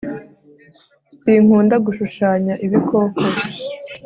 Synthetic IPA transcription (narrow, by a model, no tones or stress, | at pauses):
siːŋ̥uːndaɡuʃuʃaːɲaʔiβikʰo̞ːkʰoβi